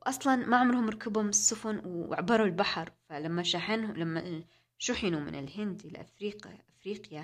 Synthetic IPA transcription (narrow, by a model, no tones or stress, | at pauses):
wʔɑsˤlɑnmaʕʊmɾhʊmɾˤɑkabhʊmɪsːʊfʊnw̰ʕabːɑɾˤulbaħɑɾˤfalamːaʃaːħanlamːa | ʃʊħɪnumɪ̰nɪ̰lɦɪnd̪ɪlʔa̰fɾiːqiʔafɾiːqja